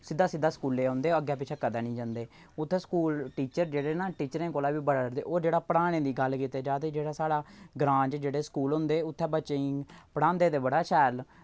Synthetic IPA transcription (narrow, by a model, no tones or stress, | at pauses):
sɪd̪ːaːsɪd̪ːaːskuːlːeːõːnd̪eːoəɡjɛːpɪt͡ʃʰɛːkəd̪ɛːnĩːd͡ʒãːnd̪eː | ʊt̪ʰːɛːskuːlʈiːt͡ʃəɾd͡ʒeːɽeːnãːʈiːt͡ʃəɾẽːkoːlaːʋiːbəɽəɾd̪ḛːʔoːd͡ʒeːɽaːpɽaːɽ̃ẽːd̪iːɡəlkiːt̪eːd͡ʒaːt̪eːd͡ʒeːɽaːsaːɽaːɡɾãːd͡ʒd͡ʒeːɽeːskuːlɦʊ̃nd̪eːʊt̪ʰːɛːbət͡ʃeĩpəɽãːnd̪eːd̪eːbəɽaːʃɛːl